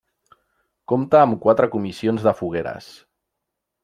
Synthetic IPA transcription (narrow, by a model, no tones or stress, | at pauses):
komt̪əːmkwat̪ɾəkumisionzðəfuɣ̞eɾə̰s